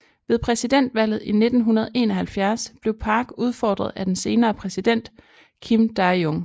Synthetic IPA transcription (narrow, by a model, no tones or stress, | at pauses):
ʋe̝ðˠpʰʁɛsid̥en̰d̥ʋæl̰ð̩ˠine̝d̥n̩ɦunɐð̞̩ˠʔe̝ːnɒhælfjæɐsb̥le̝ʊpʰɑ̈ɡ̥uð̞ˠfɒ̰ːd̥ʁɐð̞ˠæd̥ense̝ːnɐːpʰʁɛsid̥en̰d̥ | kʰimd̥ɑ̈oŋ